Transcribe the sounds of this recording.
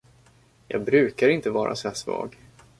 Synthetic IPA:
jɑːɡ̚bɾʉ̟ːkaɾɪnt̪əvɑːɾʔa̰sæsvɑ̰ːɡ

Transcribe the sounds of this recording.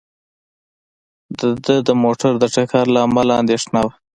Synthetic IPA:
d̪əd̪əd̪əmoʈaɾd̪əʈakaɾlaːmalaɑnd̪eʂnawa

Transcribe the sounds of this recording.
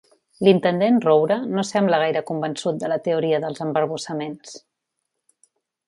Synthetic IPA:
lint̪ənd̪enrowɾənosɛmbləɣ̞ajɾəkumbənsut̪̚d̪ələt̪əuɾiəðəlˠzəmbəɾβusəmens

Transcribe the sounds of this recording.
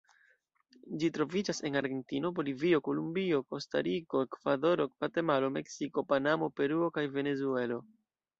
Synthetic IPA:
d͡ʒitɾo̞vid͡ʒase̞naɾɡe̞ntino̞bo̞livio̞ko̞lumbio̞ko̞sta̰ɾiko̞ekvado̞ɾo̞kvate̞malo̞me̞ksiko̞panamo̞pe̞ɾuo̞kajve̞ne̞zue̞lo̞

